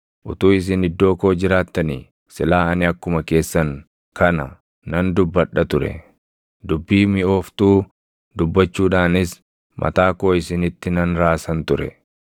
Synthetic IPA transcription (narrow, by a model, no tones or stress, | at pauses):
ʔʊt̪uːɪs̬ɪnɪd̪ːo̞ːko̞ːd͡ʒɪɾaːt̪ːɐniː | sɪlaːɐnɪɐkːʊmɐke̞ːsːɐŋ | kʰɐnɐ | nɐnd̪ʊbːɐɗːɐt̪ʊɾɛ̰ | d̪ʊbːiːmɪo̞ːft̪uː | d̪ʊbːɐt͡ʃːuːᶑaːnɪs | mʔɐ̰t̪aːko̞ːɪsɪnɪt̪ːɪnɐnɾaːsɐnt̪ʊɾɛ̰